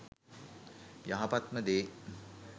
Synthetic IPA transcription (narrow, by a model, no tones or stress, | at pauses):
jaɦapat̪məd̪eː